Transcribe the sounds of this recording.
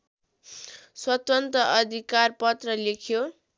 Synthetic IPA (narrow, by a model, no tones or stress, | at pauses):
swʌt̪ʌnt̪rʌʔʌd̪ʱikarpʌt̪rʌlekʰjo